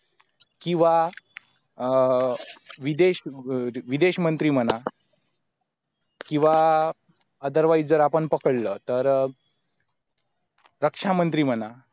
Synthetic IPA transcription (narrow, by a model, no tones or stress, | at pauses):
kĩw̃ʋa | ʋid̪eɕʋid̪eɕmənt̪ɾiːm̤əna | kĩw̃ʋa | əd̪əɾʋajd͡zəɾapəɳpəkəɽlət̪əɾ | ɾəkʂamənt̪ɾiːm̤əna